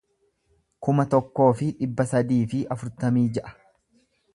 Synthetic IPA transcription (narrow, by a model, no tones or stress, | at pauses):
kʊmɐt̪ɔkːo̞ːfɪᶑɪbːɐsɐd̪iːfɪʔɐfʊɾt̪ɐmiːd͡ʒɛʔɐ̥